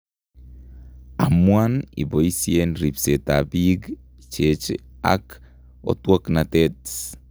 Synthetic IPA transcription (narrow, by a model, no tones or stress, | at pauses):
a̰mwanḭboisienɾipseta̰biɡ | t͡ʃet͡ʃa̰k | o̰twoknatet